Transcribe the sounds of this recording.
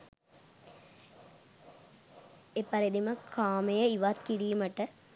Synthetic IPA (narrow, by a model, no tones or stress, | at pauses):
epɐɾid̪iməkʰaːmejəiʋat̪̚kiɾijumɐʈə